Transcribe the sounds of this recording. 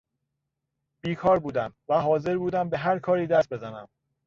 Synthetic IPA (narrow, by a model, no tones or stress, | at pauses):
b̥iːkʰɒːɾbuːd̪æmvæɦɒːze̞ɾbuːd̪æmbe̞ɦæɾkʰɒːɾiːd̪æst̪̚be̞zænæm